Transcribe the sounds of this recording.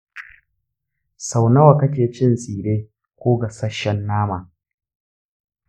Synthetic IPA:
sa˨wnɐ˦wa˨kɐ˦kʲeː˨t͡ʃɪ˦nsʼiː˨ɾeː˦ | kʷoː˦ɡa˨sɐ˦ʃɛ˦nːaː˦maː˨

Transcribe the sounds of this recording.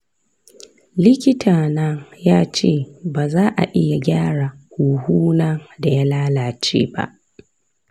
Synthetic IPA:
lɪ˦kʲɪ˦tʰaː˨nɐ˦ŋjaː˦t͡ʃeː˦˨baː˨zaː˦ʔa̰˨ʔɪ˦ja˨ɡʲaː˦ɽa˨kʷuː˨huː˦na˦da˨ja˦laː˦laː˨t͡ʃḛː˦ba̰˦ʔ

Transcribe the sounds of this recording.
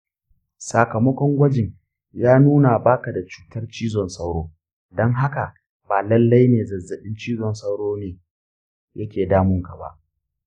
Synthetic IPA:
sa˨kɐ˨mɐ˦kʷɔ˦ŋɡʷɐ˦d͡ʒɪ˨ɲ | jaː˦nuː˦na˨baː˦ka˨da˨t͡ʃu̥ː˨tɐ˦rt͡ʃiː˦zɔ˨nsɐ˦wɽoː˦ | dɔ˦ŋɦa˦ka˨ | baː˨lɐ˦lːa˦jneː˨zɐ˨zɐ˨ɗɪ˦nt͡ʃiː˦zɔ˨nsɐ˦wɽoː˦neː˨ | jʔɐ˦kʲeː˨daː˦mʊ˦ŋka˨ba̰˦ʔ

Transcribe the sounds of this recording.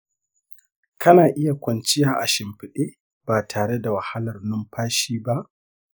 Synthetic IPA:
kʰɐ˦naː˨ʔɪ˦ja˨kʷɐ˨nt͡ʃɪ˦jaː˦˨ʔa˨ʃɪ˨mɸɪ˨ɗeː˦ | b̥aː˨tʰaː˨ɽe˦da˨wɐ˨ha˦lɐ˨rnʊ˦mɸaː˦ʃiː˦ba˦ʔ

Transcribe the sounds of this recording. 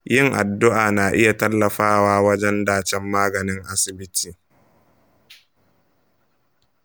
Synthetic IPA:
jɪ˦˨ŋʔa˨dːʊ˦ʔaː˨naː˨ʔɪ˦ja˨tɐ˦lːɐ˨ɸaː˦waː˦wɐ˦d͡ʒɛ˦ndaː˦t͡ʃɛ˦mːaː˦ɡɐ˨nɪ˦ŋʔa˦sɪ˨bɪ˦tiː˨

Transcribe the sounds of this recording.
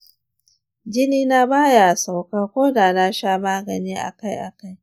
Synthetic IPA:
d͡ʒɪ˦niː˦na˦baː˦ja˨sa˨wkaː˦kʷoː˦daː˨na˦ʃaː˦maː˦ɡɐ˨niː˦ʔa̰˨ka˦jʔa˨ka˦j

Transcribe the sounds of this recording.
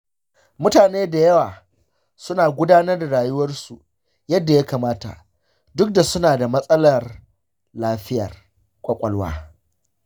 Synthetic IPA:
mʊ˦taː˨neː˦da˨jɐ˦waː˨ | sʊ˦naː˨ɡʷʊ˦daː˦nɐ˦rda˨ɽaː˨jʊ˦wɐ˦rsu˨ | jɐ˦dːa˨ja˦kaː˨maː˦ta̰˨ | dʊ˦k̚da˨sʊ˦naː˨da˨mɐ˦sʼɐ˦lɐ˨r | laː˦ɸɪ˦jɐ̰˨r | kʷʼɐ˦kʷʼɐ˨lwa̰ː˦

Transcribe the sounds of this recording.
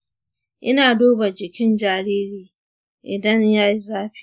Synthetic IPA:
ʔɪ˦naː˨doː˦ba˨d͡ʒɪ˨kʲɪ˦nd͡ʒaː˨ɾiː˦ɾiː˨ | ʔɪ˨dɐ˦ɲjaː˦ji˦zaː˦ɸi̥˨

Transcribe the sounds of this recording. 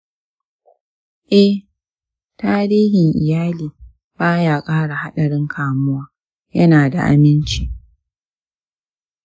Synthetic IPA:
ʔɛ˦ | taː˦ɾiː˦ɦɪ˨ŋʔɪ˨jaː˦liː˨ | b̥aː˦jaː˨kʼaː˦ɽa˨ha˦ɗɐ˨ɽɪ˦ŋkʰaː˨mʊ˦waː˦ | jɐ˦naː˨da̰˨ʔa̰˨mɪ˦nt͡ʃi˦˨

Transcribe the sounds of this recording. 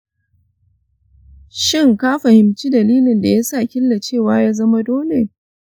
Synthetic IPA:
ʃɪ˦˨ŋkaː˦ɸɐ˨hɪ˨mt͡ʃi˦dɐ˨liː˦lɪ˨nda˨ja˦sa˦˨kʲɪ˦lːa˨t͡ʃeː˦˨waː˦jaː˦zɐ˦ma˦doː˦le˨

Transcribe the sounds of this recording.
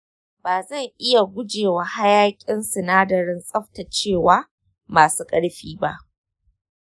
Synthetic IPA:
baː˨zɐ˦˨ŋʔɪ˦ja˨ɡʷʊ˦d͡ʒeː˨wa˨ha˦jaː˦kʲʼɪ˦nsɪ˨naː˦dɐ˨ɾɪ˦nsʼɐ˦ɸta˨t͡ʃeː˦˨waː˦ | maː˨suː˦kʼɐ˦ɽɸiː˦ba˦ʔ

